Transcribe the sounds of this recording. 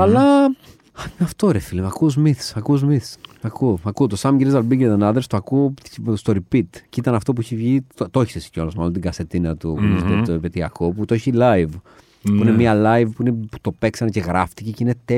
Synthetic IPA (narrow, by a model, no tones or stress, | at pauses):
ɐlɐ | ɐmɐft̪oɾefilemɐkuzmiθsɐkuzmiθsɐkuɐkut̪osɐmiɾizɐlbiɟt̪ɐnɐðɾst̪oɐkust̪o̞ɾipit̪cit̪ɐnɐft̪o̞p̬uiçevʝit̪ooçi̥ssi̥colozmɐlont̪iɡɐse̞t̪inɐt̪upunizeopet̪iɐ̰ko̞put̪ooçilɐjv | puinemiɐlɐjvpuinepu̥t̪o̞peksɐnece̞ɣɾɐft̪iceceine̞t̪e